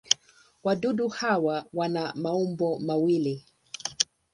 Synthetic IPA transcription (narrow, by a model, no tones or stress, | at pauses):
waɗuɗuhawawanamaumbɔmawili